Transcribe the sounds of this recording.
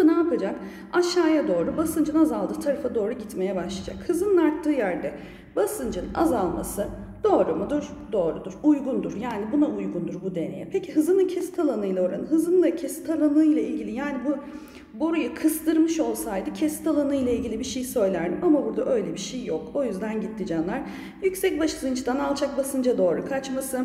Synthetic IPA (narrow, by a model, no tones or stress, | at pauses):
naːpad͡ʒak | aʃːaːjad̪o̞ːɾubasɯnd͡ʒɯnazalˠd̪ɯːt̪ʰaɾafad̪o̞ːɾuɟit̪me̞jɛbaʃlˠad͡ʒa̰khɯzɯnɯnaɾt̪ʰːɯːjæɾd̪ɛ | basɯnd͡ʒɯna̰zalˠma̰sɯ | d̪̥o̞ːɾumud̪uɾ | d̪o̞ːɾud̪uɾujɡund̪uɾjaːnibunaujɡund̪uɾbud̪e̞ne̞̰jɛ̰pʰecʰiɦɯzɯnˠacʰɛst̪ʰalˠanɯjlˠao̞ɾa̰nɯɦɯzɯnlˠacʰɛst̪ʰalˠanɯjlʲˠailʲɟilʲijaːnibu | boɾajakʰɯsd̪ɯɾmɯʃo̞lˠsajd̪ɯcʰɛsi̥t̪ʰalˠanɯjlʲˠailʲɟʲilʲibiʃejsø̞jlʲæɾd̪imamabuɾd̪aʔø̞jlʲɛbiʃejːoko̞jyzd̪ænɟit̪ʰːid͡ʒɛnlˠaɾ̥ | jycsɛc̚baʃɯzɯnt͡ʃʰd̪analˠt͡ʃʰak̚basɯnd͡ʒad̪o̞ːɾukʰat͡ʃmasɯ